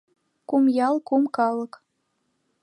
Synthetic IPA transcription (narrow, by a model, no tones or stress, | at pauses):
kumjɑlkumkɑlɤ̆k